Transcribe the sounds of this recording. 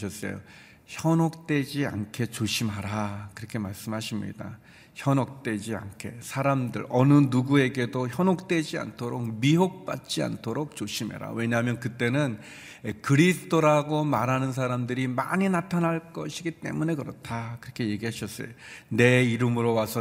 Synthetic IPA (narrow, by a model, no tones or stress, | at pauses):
ɕʌs͈ʌ̰jo̰ | çjʌnok̚t͈e̞d͡ʑia̰nkʰe̞t͡ɕoɕʰimɦaɾakɯɾʌkʰe̞maɭs͈ɯmɦaɕʰimɲḭda̰ | çjʌnok̚t͈e̞d͡ʑia̰nkʰe̞̰sʰaɾamdɯ̰ɾʌnɯnuɡue̞ɡe̞doçjʌnɦok̚t͈e̞d͡ʑia̰ntʰoɾok̚miɦok̚p͈a̰t̚t͡ɕ͈ia̰ntʰoɾok̚t͡ɕ͈oɕʰimḛɾa̰we̞ɲaɦamjʌnkɯt͈e̞nɯn | kɯɾisʰɯ̥tʰoɾaɡomaɾɦanɯns̬ʰaɾamdɯɾima̰ɲinatʰanɦaɭk͈ʌɕʰiɡit͈e̞̰mune̞kɯɾʌtʰakɯɾʌkʰe̞je̞ɡiɦaɕʰʌs͈ʌ̰jone̞iɾɯmɯɾowasʰʌ